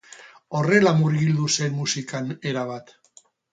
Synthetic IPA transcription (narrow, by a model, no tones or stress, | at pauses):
o̞re̞lamuɾɣild̪use̞nmusikane̞ɾaβ̞at̪